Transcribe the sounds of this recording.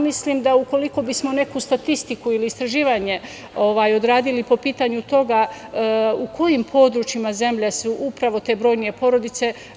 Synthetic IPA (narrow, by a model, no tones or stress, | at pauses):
misliːmd̪auko̞liko̞bismo̞ne̞kust̪at̪ist̪ikuiliːst̪ɾaʒiːʋaɲe̞ | o̞ʋaːjo̞d̪ɾaːd̪ilipo̞piːt̪aɲut̪o̞ɡa | ukʰo̞jimpʰo̞ːd̪ɾut͡ʃimaze̞mʎesuʔupɾaʋo̞t̪e̞ːbɾo̞ːjnije̞po̞ɾo̞d̪it̪se̞